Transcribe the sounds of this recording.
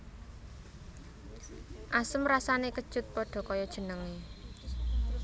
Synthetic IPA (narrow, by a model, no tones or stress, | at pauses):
ʔasəmrasanekəd̥ʒ̥ʊ̤t̪̚pɔɖ̥ɔ̤kɔjɔd̥ʒ̥ə̤nəŋe